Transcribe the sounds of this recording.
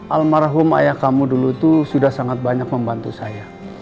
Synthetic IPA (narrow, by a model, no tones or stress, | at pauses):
ʔalmaɾaɦʊma̰jakamuduluit̪usudahsaŋat̪̚baɲak̚məmbant̪usaja